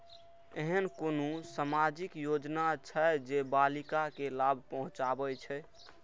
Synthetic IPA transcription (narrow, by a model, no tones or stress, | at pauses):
eɦənkonũsamad͡ʒikjod͡ʒnat͡ʃʰəd͡ʒebalikakelabʱpəɦũt͡ʃabɛt͡ʃʰɛ